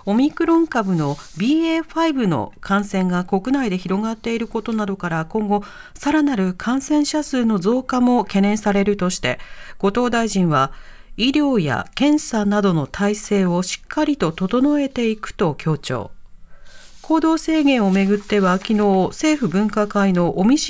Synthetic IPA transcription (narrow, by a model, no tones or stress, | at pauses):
o̞mʲikɯ̟ɾõ̞ŋkabɯ̟no̞bʲiːeːɸaibɯ̟no̞̰kʰãɰ̃sẽ̞ŋɡako̞kɯ̟naid̪e̞çiɾo̞ɡat̪ːe̞iɾɯ̟ko̞t̪o̞nad̪o̞kaɾakõ̞ŋɡo̞ | saɾanaɾɯ̟kʰãɰ̃sẽ̞ɰ̃ɕasɨːno̞zo̞ːkamo̞ke̞nẽ̞ɰ̃saɾe̞ɾɯ̟t̪o̞ɕi̥t̪e̞̰ɡ̥o̞t̪o̞ːd̪aiʑĩɰ̃βaiɾʲo̞ːja̰kẽ̞ɰ̃sanad̪o̞no̞t̪ʰaise̞ːo̞ɕi̥kʰːaɾʲit̪o̞t̪o̞t̪o̞no̞e̞t̪e̞ikɯ̟̥t̪o̞kʲo̞ːt͡ɕo̰ː | kʰo̞ːd̪o̞ːse̞ːɡẽ̞ɰ̃o̞me̞ɡɯ̟t̪ːe̞βakʲino̞ːse̞ːɸɯ̟bɯ̟̃ŋkakaino̞ʔomʲiɕ